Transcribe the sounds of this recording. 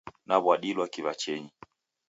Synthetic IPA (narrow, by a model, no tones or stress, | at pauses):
naβwaɗilwakivat͡ʃɛɲi